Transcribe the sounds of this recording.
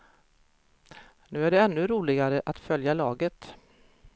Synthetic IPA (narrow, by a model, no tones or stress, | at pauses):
nʉ̟ːæɖɛɛnːɵɾuːlɪɡaɾəʔat̪fœljalɑːɡət̪